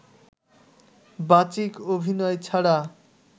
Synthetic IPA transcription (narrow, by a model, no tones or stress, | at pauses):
bat͡ɕikobʱinɔet͡ɕʰaɽa